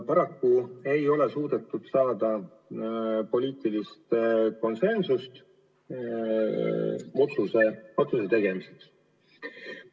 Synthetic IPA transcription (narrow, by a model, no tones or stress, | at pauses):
pɑɾɑkːue̞jo̞le̞suːd̪̥e̞t̪ːˑud̪̥sɑːd̪̥ɑ | po̞lʲiːt̪ˑilist̪ko̞nse̞nsust̪ | o̞t̪suseo̞t̪suse̞t̪e̞ɡ̥e̞miseks